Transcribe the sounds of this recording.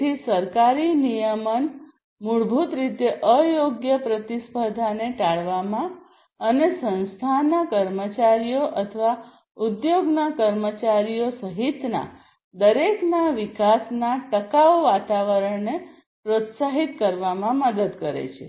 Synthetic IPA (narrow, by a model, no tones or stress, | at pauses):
isəɾkaɾinijəmən | muɭbʱut̪ɾit̪eʔəjoɡjəpɾət̪ispəd̪ʱaneʈaɭʋamã | ənesə̃nst̪ʰanakəɾmət͡ʃaɾijoʔət̪ʰəʋa | ud̪joɡnakəɾmət͡ʃaɾijosəɦit̪na̰ | d̪əɾeknaʋikasnaʈəkaʋʋat̪aʋəɾəɳne | pɾot̪saɦit̪kəɾʋamãməd̪əd̪kəɾḛt͡ʃʰe